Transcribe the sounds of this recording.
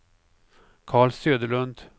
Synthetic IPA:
kʰɑːɭsøːd̪əɭɵnd̪

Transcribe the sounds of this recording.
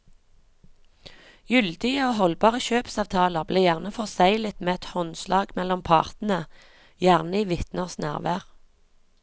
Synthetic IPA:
jʏld̪ɪəoːɦɔlbɑːʁəʃøːpsɑːʋt̪ʰɑːləʁbleːjæʁnəfɔʁsæɪlət̪meːɛt̪hɔnslɑːɡmɛlɔmpʰɑ̰ːʁt̪n̩ə | jæʁnəiːʋɪt̪nəʁsnæ̰ːʁʋæːʁ

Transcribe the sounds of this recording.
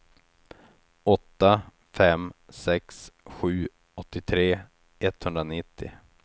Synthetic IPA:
ɔt̪ːa | fɛmsɛksɧʉ̟ː | ɔt̪ːɪt̪ʰɾeː | ɛt̪ːhɵnd̪ɾanɪt̪ʰːɪ̰

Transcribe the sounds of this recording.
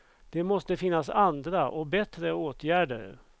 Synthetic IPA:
d̪̥ɛmɔst̪əfɪnːasand̪ɾaʔɔkbɛt̪ɾəoːt̪ʰjæːɖəɾ̰

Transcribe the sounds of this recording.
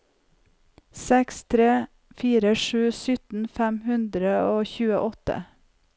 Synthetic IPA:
sɛkst̪ʰɾeː | fiːɾəʃʉːsʏt̪n̩fæmhʉnd̪ɾəoːçʉːəʔɔt̪ə̰

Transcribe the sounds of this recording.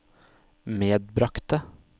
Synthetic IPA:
meːd̪̚bɾɑkt̪ə

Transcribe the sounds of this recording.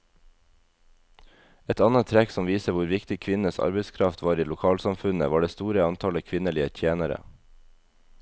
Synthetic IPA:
ɛt̪ɑnət̪ʰɾɛksɔmʋiːsəʋʊɾʋɪkt̪ɪkʰʋɪnəsɑ̰ɾbəɪskʰɾɑft̪ʰʋɑːɾiːlʊkʰɑːlsɑmfʉnə̰ʋɑːɖeːst̪uːɾəɑnt̪ʰɑləkʰʋɪnəlɪət̪ʰjeːnəɾə̰

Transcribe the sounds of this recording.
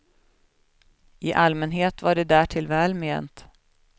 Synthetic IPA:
ʔɪʔalmɛnɦeːt̪vaɖɛd̪æːʈʰɪlvɛːlmḛːnt̪

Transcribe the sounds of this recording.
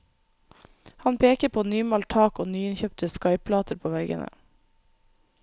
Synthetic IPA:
hɑnpʰeːkəɾpʰoːnyːmɑlt̪ʰɑːkoːnyːɪnçœːpt̪əskɑɪpʰlɑːt̪ʰəɾpʰoːʋɛɡə̰nə̰

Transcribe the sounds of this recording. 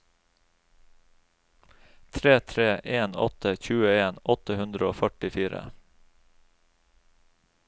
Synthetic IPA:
t̪ʰɾeːt̪ʰɾeːʔeːnɔ̰t̪ʰəçʉːəeːnʔɔt̪əhʉnd̪ɾəoːfœʈɪfiːɾə̰

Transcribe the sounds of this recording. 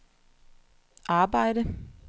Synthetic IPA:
ʔɑ̈ːb̥ɑ̈ɪ̰ɾə

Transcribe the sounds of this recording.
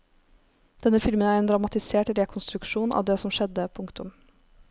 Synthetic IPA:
d̪̥ɛnːəfɪlmənæɾɛːnd̪ɾɑmɑt̪ɪseːʈɾɛkʰʊnst̪ɾʉkʂuːnʔɑ̰ːʋd̪eːsɔmʃɛd̪əpʰʊŋkt̪ʊm

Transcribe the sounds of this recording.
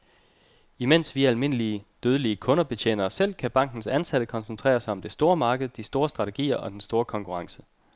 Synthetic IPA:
imen̰sʋiælme̝n̰əliəd̥øːð̞ˠəliəkʰɔ̽nɐb̥e̝t͡ɕʰḛːnɐsel̰kʰæb̥ɑ̈ŋ̰ɡ̥n̩sænsæd̥əkʰɒ̽nsənt͡sʰʁɛ̰ːɐsɑ̈ɪɒ̽md̥e̝sd̥o̝ːɐmɑ̈ːɡ̥əð̩ˠd̥isd̥o̝ːɐsd̥ʁɑ̈t͡sʰe̝ɡ̥ḭːɐʔɒ̽d̥ensd̥o̝ːɐkʰɒ̽ŋkʰuʁɑ̈ŋsə̥

